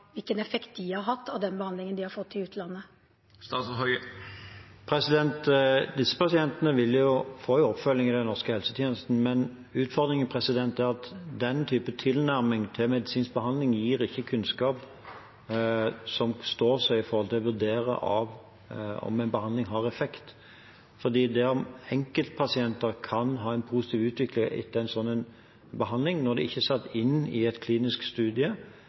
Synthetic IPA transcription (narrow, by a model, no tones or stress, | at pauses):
ʋɪlkənɛfɛkt̪̚d̪ɪhɑɾɦɑt̪ʰːɑʋd̪ɛnbəhɑnd̪lɪŋənd̪ɪhɑɾfɔt̪ʰːɪlʉːt̪ʰəlɑnːə | st̪ɑːt̪shœʏə | pʰɾɛsɪd̪ɛnt̪d̪ɪsːə̥pɑsɪɛnt̪ənəʋɪljʊfoːɪɔpfœlːɪŋɪd̪ɛnnɔʁskəhɛlsət̪ʰjeːnəst̪n̩mɛn | ʉːt̪fɔɾd̪ɾɪŋənpʰʁɛsɪd̪ɛnt̪æʁɑt̪d̪ɛnt̪ʰyːpət̪ʰɪlnæɾmɪŋt̪ʰɪlmɛd̪ɪsiːnsk̚bəhɑnd̪lɪŋjiːɾɪçːəkʰʉnskɑːp | sɔmst̪oːsɛɪɪfɔɾhɔlt̪ɪlɔʋʉɾd̪eːɾə̰ʔɑ̰ʋ | ɔ̰mɛɪnbəhɑnd̪lɪŋɦɑːʁɛfɛkt̪ | fɔʁd̪iːd̪ɛɔmɛŋkəlt̪̚pʰɑsɪɛnt̪əɾkʰɑnɦɑːɛɪnpʰuːsɪ̥t̪iːʋʉːt̪ʋɪklɪŋɪ̰t̪ːəæɪnsɔnːɛn | bəɦɑnd̪lɪŋnɔɾd̪ɛɪçːəsɑt̪ːɪnːɪ̰ɛt̪kʰliːnɪskst̪ʉːd̪ɪə